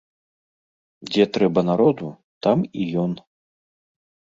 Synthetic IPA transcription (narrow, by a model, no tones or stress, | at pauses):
d͡zʲɛt̪ɾɛbɐnaɾɔd̪u | t̪amijɔn